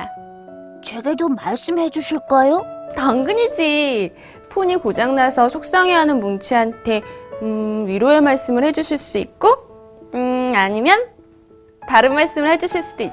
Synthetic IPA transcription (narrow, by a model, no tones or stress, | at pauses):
a | t͡ɕwe̞ɡedomaɭs͈ɯmhe̞d͡ʑuɕʰiɭk͈ajotaŋɡɯɲid͡ʑi | pʰoɲikod͡ʑaŋnasʰʌsʰok̚s͈aŋeɦanɯnmunt͡ɕʰiɦantʰe̞ɯɥiɾjoe̞maɭs͈ɯmɯɭhe̞d͡ʑuɕʰiɭs͈uḭt̚k͈o | aɲimjʌn | taɾɯnmaɭs͈ɯmɯɭhe̞d͡ʑuɕʰiɭs͈udoi